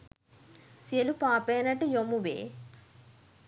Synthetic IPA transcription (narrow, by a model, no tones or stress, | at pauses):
selupaːpeːnɐʈijomːuʋḛː